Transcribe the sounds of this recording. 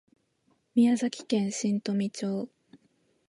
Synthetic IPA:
mʲiazakʲi̥kẽ̞ɰ̃ɕĩnt̪o̞mʲit͡ɕoː

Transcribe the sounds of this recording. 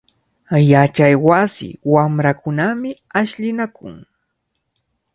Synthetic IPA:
jat͡ʃajwasɪ̰wamɾakʊnamɪ | aʃʎɪnakʊ̰ŋ

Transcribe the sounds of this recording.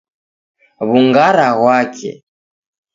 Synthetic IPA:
βuŋɡaɾaɣwakʰɛ̰

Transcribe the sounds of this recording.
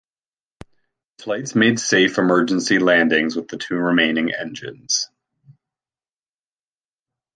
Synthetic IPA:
flaɪtsmeɪd̥seɪfɨmɜ˞d͡ʒɨ̃n̩silæ̃ndɪ̃ŋzwəðɨtʰʉɹɨmẽɪ̃nɪ̃ŋʔɛ̰̃nd͡ʒɨ̰̃nz̥

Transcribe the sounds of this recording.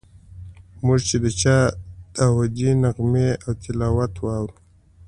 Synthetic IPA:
mʊʐt͡ʃed̪ət͡ʃɑd̪awad͡ʒinaɣmeawt̪ɪlaːwat̪wɑwɾu

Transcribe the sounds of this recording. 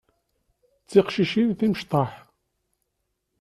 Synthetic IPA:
t͡sːiqʃiʃinθiməʃt̪ˤɑħ

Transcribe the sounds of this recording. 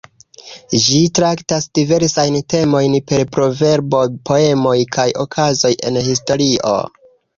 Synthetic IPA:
d͡ʒitɾaktasd̥ive̞ɾsajnte̞mo̞jnpe̞ɾpɾo̞ve̞ɾbopʰo̞e̞mo̞jkʰajʔo̞kʰazo̞jʔe̞nhisto̞ɾiʔo̞̰

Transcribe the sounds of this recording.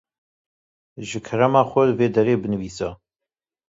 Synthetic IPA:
ʒɨkʰɐɾɐmaːxʷɐlveːd̪ɐɾeːbɨnɨviːsɑ

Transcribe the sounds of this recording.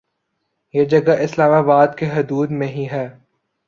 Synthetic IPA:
jeːd͡ʒɐɡaʔɪslaːmaːbaːd̪keɦʊd̪uːd̪mẽɦiɦɛː

